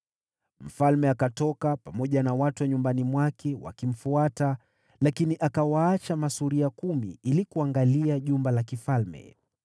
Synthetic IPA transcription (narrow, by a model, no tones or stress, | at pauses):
m̩falmɛakatɔkapamɔʄanawatuaɲumbanimwakʰɛwa̰kim̩fuata | lakiniʔakawaat͡ʃamasuɾiakumḭilikuaŋɡaliaʄumbalakifalmɛ̰